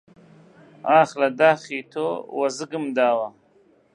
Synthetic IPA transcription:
aːχlad̪aːχiːt̪ʰowazɨɡɨmd̪aːwa

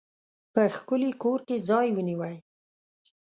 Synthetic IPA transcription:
pəxkʊlikoɾked͡zɑjwəniwaj

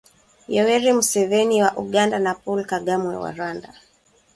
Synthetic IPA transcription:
jɛwɛɾimusɛvɛniwaʔuɠandanapɔlkaɠamwɛ̰wa̰ɾwanda

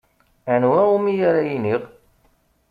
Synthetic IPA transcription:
ænwæumijaɾajiniʁ

